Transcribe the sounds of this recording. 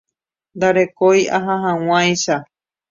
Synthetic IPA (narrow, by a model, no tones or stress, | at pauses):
nd̪aɾe̞kojaɦãɦãw̃ãjʃa